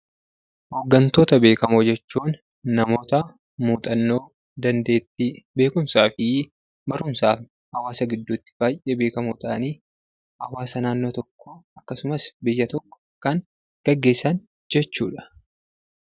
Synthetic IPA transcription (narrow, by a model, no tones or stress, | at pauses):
hoːɡːɐnt̪o̞ːt̪ɐbe̞ːkɐmod͡ʒɛt͡ʃːuːnː | ɐmo̞ːt̪ɐ | muːt̪ʼɐnːo̞ː | d̪ɐnd̪eːt̪ːɪbe̞ːkʊmsaːfɪ | bɐɾʊmsaːf | hɐwaːsɐɡɪd̪ːut̪ːɪ̥b̥aːjʔeːbe̞ːkɐmut̪a̰ːniː | hɐwaːsɐnaːnːo̞ːt̪ɔkːɔɐkːɐsʊmɐsbɪjːɐt̪ɔkːɔ̥kɐŋ | ɡ̥ɐɡːe̞ːsɐn | d͡ʒɛt͡ʃːṵːᶑɐ̥